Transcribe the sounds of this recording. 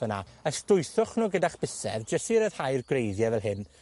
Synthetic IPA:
əna̰əstʊjθʊχnoɡədaχb̥ɪsɛ̰vd͡ʒəstiɾəð̥hajrɡrejðjɛvɛlˠɦɪn

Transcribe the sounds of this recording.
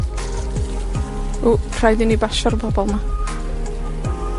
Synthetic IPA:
ukʰrajdɪnibaʃɔɾpʰɔbɔlˠma

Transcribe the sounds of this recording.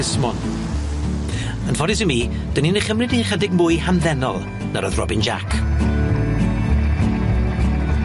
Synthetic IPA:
ɪsmɔn | ənfɔdɪsɪmiː | d̥ənineχəmrɪdiχɛdɪɡmʊːɨjhanðɛnɔlˠ | naɾəðrɔ̰bɪnd͡ʒa̰kʰ

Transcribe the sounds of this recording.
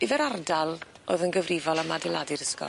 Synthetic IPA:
ɪvɛɾardalˠ | o̰ðənɡəvrɪvɔlˠamadɪlˠadɪɾəskɔ̰

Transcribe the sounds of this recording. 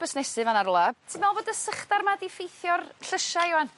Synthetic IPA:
b̥əsnɛsɨvanaɾɔlˠatʰɪmɛlˠvoːdəsəχdarmadifejθjɔrɬəʃaɪwan

